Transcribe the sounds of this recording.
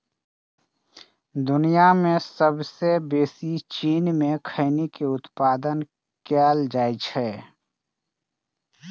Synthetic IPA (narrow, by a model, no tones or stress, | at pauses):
d̪ʊnijamẽsəbsebeːsit͡ʃiːnmẽkʰəɪnikeʊt̪paːd̪ən | kaːld͡ʒaːit͡ʃʰɛː